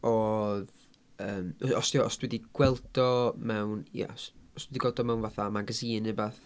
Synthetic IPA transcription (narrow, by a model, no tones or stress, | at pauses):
ɔð | əːmɔstiɔɔsd̥wɛdiɡ̥wɛlˠdɔmɛwnjɛ̰ɔsɔsd̥wɛdiɡwɛlˠtɔmɛwnvaθamaɡasiːnəbaθ